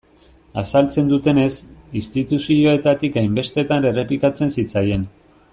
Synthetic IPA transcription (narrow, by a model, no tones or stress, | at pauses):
asalt͡se̞nd̪ut̪e̞ne̞sist̪it̪usio̞e̞t̪at̪ikajmbe̞st̪e̞t̪ane̞re̞plikat͡se̞nsit͡saje̞n